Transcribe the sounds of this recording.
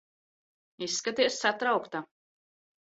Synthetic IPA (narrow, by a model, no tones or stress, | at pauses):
isːkat̪iɛsːat̪ɾawkt̪a